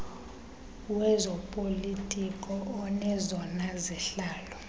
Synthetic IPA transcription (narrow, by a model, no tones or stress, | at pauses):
wɛzɔpʼolitʼikʼɔːnɛzɔnazɛɬaːlɔ